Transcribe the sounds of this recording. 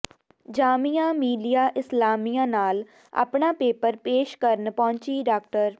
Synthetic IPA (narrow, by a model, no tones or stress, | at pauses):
d͡ʒaːmijãːmiːɖijaːʔɪslaːmijãːnaːl | a̰ːpɳaːpeːpəɾpeːʃkəɾənpɔ̃ːɲt͡ʃiːɖaːkʈəɾ